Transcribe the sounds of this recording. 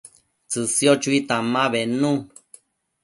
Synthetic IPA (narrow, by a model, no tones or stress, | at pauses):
t͡sɨsjot͡ʃuit̪amaβenũ